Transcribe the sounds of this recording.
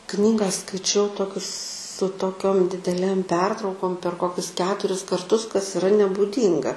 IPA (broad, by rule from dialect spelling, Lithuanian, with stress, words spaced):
ˈknʲiːɡɐ skɐɪˈt͡ʃʲɛʊ ˈtoːkʲʊs sʊ toːˈkʲoːm dʲɪdʲɛˈlʲeːm ˈpʲɛrtrɐʊkoːm pʲɛr ˈkoːkʲʊs ˈkʲæːtʊrʲɪs kɐrˈtʊs kɐs ɪˈrɐ nʲɛbuːˈdʲiːŋɡɐ